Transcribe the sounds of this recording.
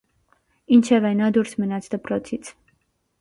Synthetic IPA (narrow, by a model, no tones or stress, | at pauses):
int͡ʃʰɛvɛnɑd̪uɾsʰmənɑt͡sʰd̪əpɾɔt͡sʰit͡sʰ